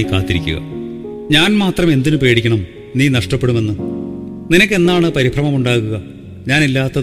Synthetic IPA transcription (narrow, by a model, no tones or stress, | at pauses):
ka̰ːt̪ːiɾḭkʲːṵɣɐ̰ | ɲaːnmaːt̪rɐme̞nd̪inupe̞ːɽikʲːɐɳɐm | niːnɐʂʈɐpːeɽume̞nːɨninɐkʲːe̞nːaːɳɨpɐɾibʱrɐmɐmuɳɖaːɣuɣɐ | ɲaːnilːaːt̪ːɐ